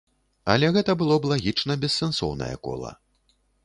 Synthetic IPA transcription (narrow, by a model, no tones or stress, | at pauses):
ɐ̰lʲɛɣɛt̪ɐbɨlˠɔblˠaɣʲit͡ʂnɐbʲɛsːɛnsɔwnɐ̰jɐ̰kɔ̰lˠɐ̰